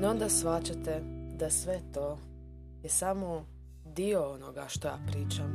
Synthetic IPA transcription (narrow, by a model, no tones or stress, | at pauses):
nond̪asʋat͡ʃat̪ed̪asʋet̪o | jesamo | d̪ioonoɡaʃt̪oja̰ːpɾiːt͡ʃam